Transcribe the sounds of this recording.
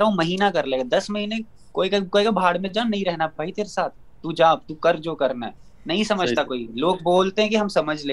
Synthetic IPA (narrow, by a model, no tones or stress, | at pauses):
ɾaõmɐɦiːnakɐɾleːɡad̪ɐsmɐɦiːne | koːikakoːikabʱaːɽmẽd͡ʒaːnɐɦĩɾɛɦnabʱait̪eːɾesaːt̪̚ʰ | t̪uːd͡ʒaːb̚t̪ukɐɾd͡ʒoːkɐɾna̰ɦɛ | nɐɦĩsɐməd͡ʒʱt̪akoːiloːɡ̚boːlt̪eɦɛ̃kiɦɐmsɐməd͡ʒʱlẽː